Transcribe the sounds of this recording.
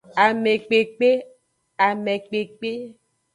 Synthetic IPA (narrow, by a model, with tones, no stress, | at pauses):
a˨mɛ̃˨k͡pe˨k͡pe˦ | a˨mẽ˨k͡pe˨k͡pe˦